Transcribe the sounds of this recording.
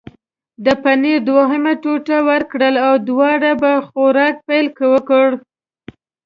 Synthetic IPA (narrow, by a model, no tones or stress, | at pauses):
d̪əpaned̪waɦamaʈoʈawəɾkɽəlawd̪wɑɽabaxoɾɑk̚pajlkəwəkəɽ